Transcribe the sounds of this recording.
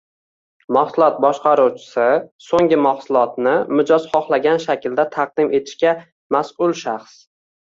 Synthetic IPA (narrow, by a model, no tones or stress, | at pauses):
maχsʊlˠɒt̪̚bɒʃqɑɾuwt͡ʃʰɪ̥sɪsoŋɡʲɪmaχsʊlˠɒt̪nɪmʊd͡ʒɒz̥χɒχlˠaɡʲanʃakʲɪld̪at̪ʰɑq̚d̪ɪmʔe̞t̪ʰɪ̥ʃkʲa | masʊlˠʃaχs